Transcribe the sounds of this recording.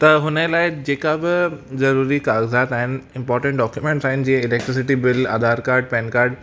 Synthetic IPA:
t̪ɐɦʊnəlaːɪd͡ʑeːkabɪzɐɾuːɾikaːɣzaːt̪aːɦɪnɪ̆ɪ̃mpɔːɾʈə̃ɳʈɖɔːkjumẽːɳʈsaːɦɪnɪ̆d͡ʑĩːə̃ɪleːk̚ʈɾɪs̬ɪʈibɪla̰ːd̪aːɾkaːɾɖ̚pɛ̃ːnkaːɾɖ

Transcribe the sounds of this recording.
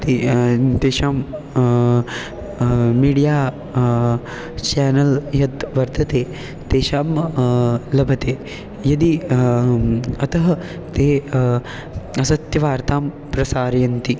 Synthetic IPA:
t̪id̪eːʃaːm | miːɖijaː | t͡ʃaːnɐljɐt̪ʋɐɾt̪ʰɐt̪eː | t̪eːʃaːm | lɐbʱɐt̪eː | jɐd̪i | ɐt̪ɐɦɐ | t̪eː | ɐsɐt̪jɐʋaːɾt̪aːm | pɾɐsaːɾjɐnt̪i

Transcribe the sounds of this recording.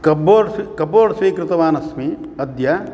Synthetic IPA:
kɐboːɾkɐpoːɾsʋiːkɾɪt̪ɐʋaːnɐsmi | ɐd̪ja

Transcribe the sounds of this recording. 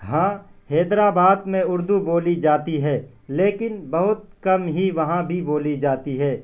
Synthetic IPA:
ɦãːheːd̪ɾaːbaːd̪mẽʊɾd̪uboːlid͡ʒaːt̪iɦɛː | leːkɪnbɐɦʊt̪̚kɐmɦiʋɐɦãbʱiboːlid͡ʒaːt̪iɦɛː

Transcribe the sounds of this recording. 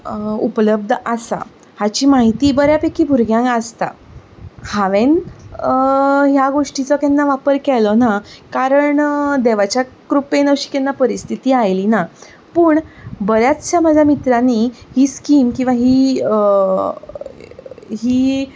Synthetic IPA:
upləb̚d̪ʱəsa̰ | hat͡ɕiːmaɦit̪iːbəɾjapekiːbʱuɾɡjãŋkəst̪a̰ | haʋen | ɦjaɡoʂʈit͡sɔkɛnːaʋapəɾkɛlɔnakaɾəɳd̪eʋat͡ɕja | kɾupenəɕi̥ːkɛnːapəɾist̪ʰit̪iːajlina | puːɳbəɾjat͡st͡ɕjaməd͡zʱamit̪ɾanihiːskiːmkĩw̃ʋaɦiːə | ɦiː

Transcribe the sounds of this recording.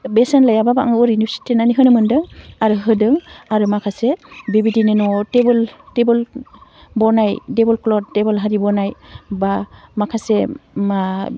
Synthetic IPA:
besenlajababaaŋɔɾinusi̥tenaniɦɯnɯmɯndɯŋaɾɯɦɯdɯŋaɾumakʰasebibidinɯnɔtebɯltebɯl | bɔɾnajdebɔlklɔt̚ːebɯlɦaɾibɔnajbamakʰasema

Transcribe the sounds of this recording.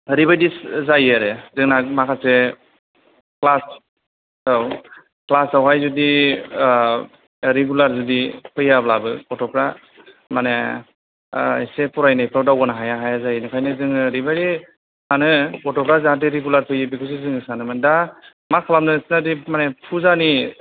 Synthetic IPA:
ɾibajdiszajaɾɯzɯŋnamakʰase | klas | aw | klasawɦajzudi | ɾeɡulaɾzudipʰɯjablabɯpɔtɔpʰɾa | mane | isepɔɾajnajpʰɾawdawɡɔnaɦajaɦajazajnɯkʰajnɯzɯŋɯɾibaɾi | hanɯɔtɔpʰɾazahat̬eɾeɡulaɾpʰɯjɯbikʰus̬izɯŋɯsanɯmanda | makʰalamnɯsnadimanepʰuzani

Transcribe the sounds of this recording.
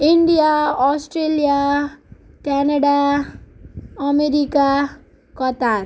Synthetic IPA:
iɳɖijaɔsʈɾelija | kɛnaɽa | ɔmeɾika | kɔt̪aɾ

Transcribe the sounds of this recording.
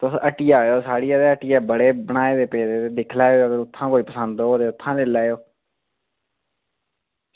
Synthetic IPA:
t̪ʊsəʈiːaːjoːsaːɽiːaːd̪eːəʈiːaːbəɽeːbəɳ̃aːeːd̪eːpeːɾeːt̪eːd̪ɪkʰlaːoːəɡəɾʊt̪ʰːãːkoːiːpəsənd̪oːd̪eːʊt̪ʰːãːlelaːjoː

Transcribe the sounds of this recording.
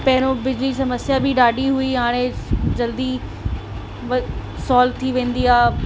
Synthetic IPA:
pɛɦɪɾ̃õbɪd͡ʑlisɐməsjabʱiɖaːɖiɦuiɦaːɽ̃ẽd͡ʑɐld̪i | ʋ | sɔːlt̪ʰiʋẽːn̆d̪iaː

